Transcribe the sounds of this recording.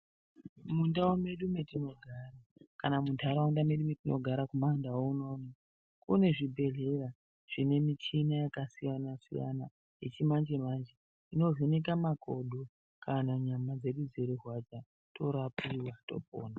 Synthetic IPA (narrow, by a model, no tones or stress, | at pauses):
mundawome̞ɗumetino̞ɡʱarakanamuntʰaɾawundame̞ɗumetinʔo̞̰ɡʱaɾakumandawouno̞ːni | kune̞ʐibʱe̞ɮe̞ra | ʐ̥ine̞mit͡ʃinajakasijanasḭja̰na | jet͡ʃimand͡ʒe̞maːnd͡ʒe | ino̞vinek̬amakʰoɗʱo | kʰanaɲamad͡ze̞ɗud͡zeɾerwat͡ʃa | tʰo̞ɾapiwato̞̰po̰ːna